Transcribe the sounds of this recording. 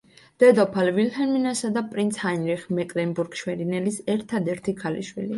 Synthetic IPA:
d̪̥ɛd̪ɔpʰalvilhɛminasad̪apʼɾint̪sʰhanɾiχmɛkʼlɛmbuɾɡʃwɛɾinɛlisɛɾt̪ʰad̪ɛɾt̪ʰikʰalḭʃwḭli

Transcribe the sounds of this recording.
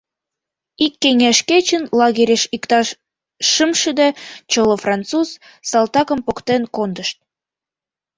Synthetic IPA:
ikːeŋeʃket͡ɕənlɑɣeɾʲeʃikt̪ɑʃ | ʃəmʃəd̪et͡ɕəlofrɑnt̪t͡suz | sɑlt̪ɑkə̆mpokt̪enkond̪əʃt̪̚

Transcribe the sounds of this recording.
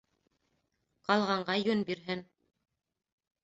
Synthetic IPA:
qɑlˠʁɑɴɢɑjɵnbiɾɦɘn

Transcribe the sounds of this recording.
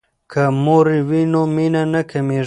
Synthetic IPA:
kʰamoɾiwinominanɐkʰɐme

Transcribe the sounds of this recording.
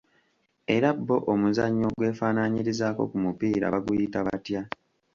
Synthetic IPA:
e̞ɾabːo̞ʔomuzaɲːo̞ɡwe̞ːfaːnaɲiɾizaːko̞̰kumupiːɾa̰βaɡujitaβatja

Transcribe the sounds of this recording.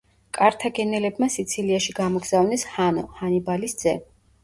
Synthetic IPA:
kʼaɾt̪ʰaɡɛnɛlɛbmasit̪sʰiliaʃiɡamɔɡz̥avnɛshanɔhanibalisd̪z̥ɛ

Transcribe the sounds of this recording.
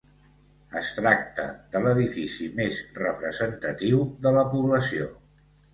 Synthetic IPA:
əst̪ɾak̚t̪ə̰ðələðifisimezrəpɾəzənt̪ət̪iwðələpuβləsio

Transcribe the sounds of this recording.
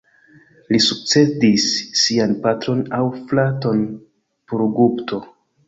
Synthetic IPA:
lisuk̚t͡se̞disːianpatɾo̞nawflato̞n | poɾɡupto̞

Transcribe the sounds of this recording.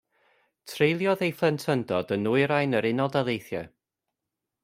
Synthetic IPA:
tʰrejlˠjɔðejflˠəntʰəndɔdənuɨɾajnəɾɪnɔlˠdalˠejθjɛ̰

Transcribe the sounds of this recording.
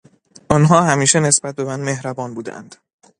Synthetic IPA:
ʔɒnɦɒːhæmiːʃene̞sbæt̪̚be̞mæːnd̪me̞hɾæbɒːnbuːd̪æ̰nd̪̥

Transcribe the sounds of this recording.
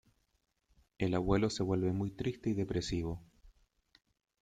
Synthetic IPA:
elaβwe̞lo̞se̞βwe̞lβe̞mujt̪ɾist̪eiðe̞pɾesiβo̞

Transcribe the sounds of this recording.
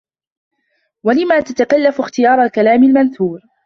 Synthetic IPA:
walɪmaːt̪at̪akalːafʊxt̪ɪjɑːɾˤalkalaːmɪlmanθuːɾ

